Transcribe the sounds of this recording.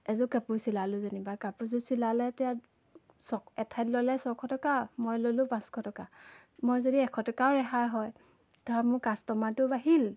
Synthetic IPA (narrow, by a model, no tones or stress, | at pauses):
ɛzʊkapuɹsilalʊzanibakapuzusilalɛtɛja | sɔɛtʰajtlɔlɛsɔkʰɔtɔkamojlolʊ̃pãskʰɔtɔka | mojzodiɛkʰɔtɔkaʊɹɛɦajɦɔj | tɔamʊkastɔmatʊbaɦil